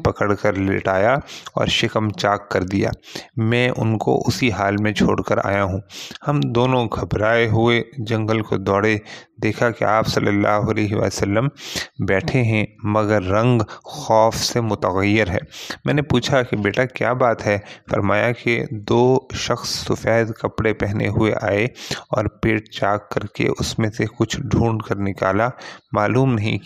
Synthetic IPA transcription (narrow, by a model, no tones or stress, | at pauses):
pɐkəɽkəɾlɪ̰ʈaːjaɔ̰ːɾʃɪkəmt͡ʃaːkːɐɾd̪ija̰ːmɛ̃ːʔʊ̰nko̰ʔʊsiɦaːlmẽt͡ʃʰo̰ːɽkəɾa̰ːjaɦũːhɐmd̪oːnõɡʱɐbɾaːeɦʊed͡ʒɐ̃ŋɡəlko̰d̪ɔːɽed̪eːkʰakeaːpsɐlːəlːa̰ːɦʊɐlɛːɦeʋa̰ːljeosəlːəmbɛːʈʰeɦɛ̃mɐɡəɾːɐ̃ŋɡxɔːfsemʊt̪əɣəjːɪɾɦɛ̰ːmɛ̃ːnepuːt͡ʃʰakibeːʈakja̰ːbaːt̪ɦɛfɐ̰ɾmaːjaked̪oːʃɐxsːʊfɛːd̪kɐpɽepɛɦnḛɦʊḛʔa̰ːeɔ̰ːɾpeːʈ̚t͡ʃaːkːɐɾkḛʔʊsmẽsekʊt͡ʃʰɖʱũːɳɖkɐɾnɪka̰ːlamaːluːmnɐɦḭ̃